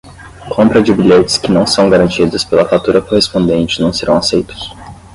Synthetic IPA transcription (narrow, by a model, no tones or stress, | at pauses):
kʰõmpɾɐd͡ʒɪbiʎet͡ʃɪ̥skɪnɐ̃w̃sɐ̃w̃ɡaɾɐ̃nt͡ʃid̪ʊspelɐfat̪uɾɐkohespõnd̪ẽnt͡ʃɪnɐ̃w̃seɾɐ̃w̃asejt̪ʊ̥s